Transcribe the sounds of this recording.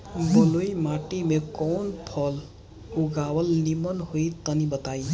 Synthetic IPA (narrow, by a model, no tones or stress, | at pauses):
bolojmaʈimekɔwnpʰʌl | uɡawʌlnimʌnɦojt̪ʌnibʌt̪ai